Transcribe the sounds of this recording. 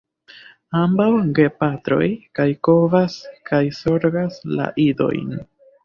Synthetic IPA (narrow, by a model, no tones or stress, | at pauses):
ambawɡe̞patɾo̞̰jkajko̞vaskʰajso̞ɾɡasla̰ʔido̞̰jn